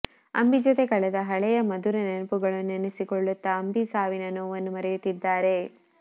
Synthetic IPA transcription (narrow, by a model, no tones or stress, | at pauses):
ɐ̰mbid͡ʒot̪ekɐɭɛd̪ɐɦɐɭɛjɐmɐd̪uɾenenɐpuɡɐɭunenesikɔɭːut̪ːɐːmbisaːʋinɐnoːʋɐnːumɐɾejut̪ːid̪ːaːɾe̞